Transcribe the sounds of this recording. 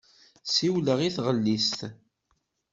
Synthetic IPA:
siwləʁiθʁəlːist̪

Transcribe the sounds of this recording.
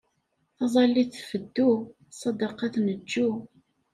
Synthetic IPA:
θɑzˤɑlːiθfəd̪ːu | sˤːɑd̪ɑqɑθnəd͡ʒːu

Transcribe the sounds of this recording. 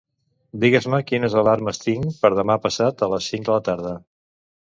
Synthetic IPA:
d̪iɣəzməkinəzəlaɾməst̪iŋpəɾð̞əmapəsat̪ələsːiŋd̪ələt̪aɾð̞ə

